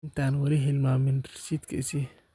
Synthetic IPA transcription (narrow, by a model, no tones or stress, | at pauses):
nt̪anwɐɾiɦɪlmaːmɪnɪsit̪kʰɐ̰isi